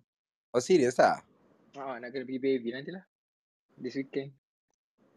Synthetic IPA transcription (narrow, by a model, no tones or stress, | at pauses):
ɔsiɾiesa̰ | ɔnãkɛ̃npikipevinãntila | diswikːɛ̃n